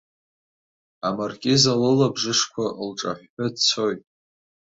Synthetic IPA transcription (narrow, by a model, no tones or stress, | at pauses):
amarkʲʼɪzalɨlabʐɨʂkʷʰaʔlʈ͡ʂʼa̰ħʷħadt͡sʰojtʼ